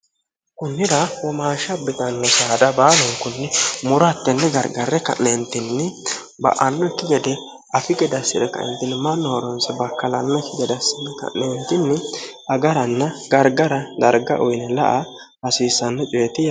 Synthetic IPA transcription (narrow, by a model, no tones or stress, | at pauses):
kʊnːɪɾɐwɔmaːʃɐbɪt̪ɐnːɔsaːd̪ɐbaːlɔŋkʊnːɪmʊɾɔɐt̪ːɛnːɛɡɐɾɡɐɾɛkɐ̰ʔent̪ɪnːɪ | bɐ̰ʔɐnːɔkːɪɡɛd̪ɛ | ʔɐfɪɡɛd̪ɐsːɪd̪ɛkɐ̰ʔɛ̰nt̪ːɪnːɪmɐnːɔɾɔnsɛbɐkːɐlɐnːɔkɪɡɛd̪ɐsːɪnːɪkɐ̰ʔnent̪ɪnːɪɐɡɐɾɐnːɐɡɐɾɡɐɾɐd̪ɐɾɡɐ̰ʔɔjnɛlɐ̰ʔɐ | bɐsiːsɐnːɛt͡ʃʼʊɛt̪ɪja